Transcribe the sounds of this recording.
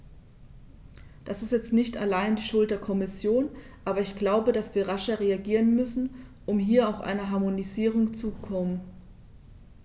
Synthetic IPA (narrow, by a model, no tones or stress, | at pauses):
d̥asɪstjɛt͡stnɪçta̰laɪndiːʃʊlt̚d̥eːɐkʰɔmɪsjoːn | ʔaːbɐɪçɡ̥laʊbədasv̥iːɐʁaʃɐʁeaɡiːʁ̞ənmʏsn̩ʔʊmɦiːɐaʊfʔa̰ɪnɐɦaɐmoniziːʁ̞ʊŋt͡sukʰɔmən